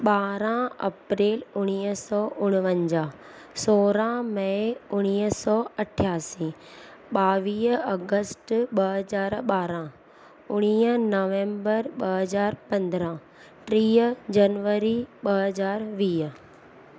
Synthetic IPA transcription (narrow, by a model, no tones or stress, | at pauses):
ɓaːɾãɐ̰pɾeːlʊɽ̃iːəsɔːʔʊɽ̃ʊʋə̃ɲd͡ʑaː | soːɾãmɐʊɽ̃iːɦsɔːɐʈʰjaːsĩː | ɓaːʋiːɦɐɡəsʈɓɐɦəzaːɾɓaːɾã | ʊɽ̃iːənɔːʋɛ̃ːmbəɾɓɐɦɐzaːɾpɐ̃nd̪ɾã | ʈɾiːəd͡ʑɐnʋəɾiɓɐɦəzaːɾʋiː